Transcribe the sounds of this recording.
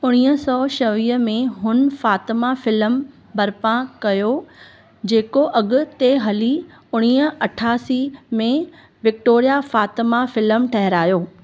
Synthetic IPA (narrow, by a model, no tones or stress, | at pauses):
ʊɽ̃iːɦəsɔːʃɐʋiːəmẽɦʊnfaːt̪ɪmafɪləm | bɐɾpãkɐjo | d͡ʑeːkoʔɐɠʊ̆t̪eɦɐli | ʊɽ̃iːə̆ɐʈʰaːsimẽ | ʋɪkʈoːɾijafaːt̪ɪmafɪlmʈʰɐɦɪɾaːjoː